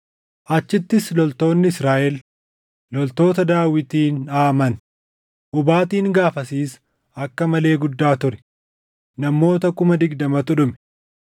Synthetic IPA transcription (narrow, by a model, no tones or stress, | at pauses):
ʔɐt͡ʃːɪt̪ːɪslɔlt̪o̞ːnːɪɪsɾaːʔɛl | lɔlt̪o̞ːt̪ɐd̪aːwɪt̪iːnaːmɐn | ʔʊbaːt̪iːŋɡaːfɐsiːs | ɐkːɐmɐle̞ːɡʊd̪ːaːt̪ʊɾɛ̥ | nɐmːo̞ːt̪ɐkʊmɐd̪ɪɡd̪ɐmɐt̪ʊᶑʊmɛ̥